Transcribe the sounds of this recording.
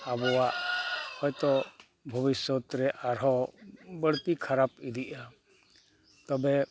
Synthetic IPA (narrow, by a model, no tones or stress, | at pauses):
abɔwaʔhɔjt̪ɔ | bʱɔbisɔt̪ɾɛʔaɾɦɔbəɽt̪ikʰaɾapid̪iʔa | t̪ɔbɛ